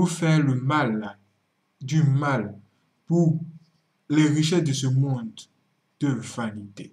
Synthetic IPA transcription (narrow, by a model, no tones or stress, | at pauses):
ufɛləmal | d̪ymal | pu | lɛʁiʃɛd̪əs̬əmɔ̃d̪ | d̪̥əvanit̪ḛ